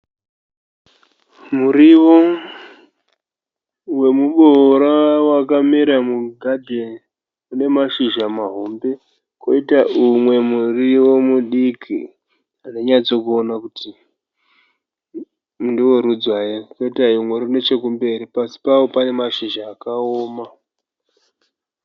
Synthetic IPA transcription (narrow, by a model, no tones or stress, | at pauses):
muɾiwo | we̞muɓoɾawakamiɾamuɡʱadʱe | une̞maʃiʒamaɦombe̞ | koitaʔumwe̞muriwomuɗikʰḭ | ɦane̞ɲad͡zo̞kuonakuti | ndiwo̞ɾud͡zwajekoitaimwe̞ɾune̞t͡ʃe̞k̬umbe̞ɾipasi̥paopane̞maʃiʒaːkaoːma